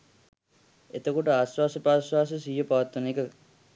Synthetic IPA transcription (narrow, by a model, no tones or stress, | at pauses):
et̪əkoʈəaːsʋaːsəpaːsʋaːs̬əsiːjopaʋat̪ːunekə